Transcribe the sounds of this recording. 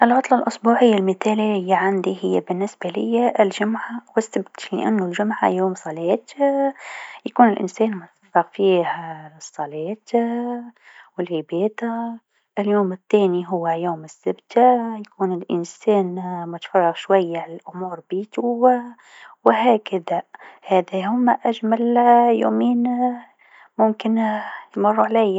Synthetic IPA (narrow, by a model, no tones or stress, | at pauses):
ʔɪlʕɑt̪ˤlɑlʔʊsˤbuːʕɪjːalmɪθæːlijːaʕand̪ihɪjːabɪnːɪsbalɪjːaʔɪlʒʊmʕawɪsːabt̪lɪ̰ʔa̰nːʊlʒʊmʕa̰juːmsˤɑlɛːt̪ | jakuːnɪlʔɪ̰nsɛːnmʊt̪fɑrˤːɑɣfiːhsˤːɑlɛːt̪ | wɪlʕɪbɛːt̪a | ɪljuːmɪt̪ːæːniɦʊwːæjuːmɪsːɪbt̪ajakuːnɪlʔɪ̰nsɛːnmʊt̪fɑrˤːɑɣʃwajːaʕalælʔʊmuːɾbiːt̪ʊw | wɪɦæːkaðahæːðæhʊmːaʔæʒmæljṵːmiːn | mʊmkɪnjmʊrˤːuʕlæj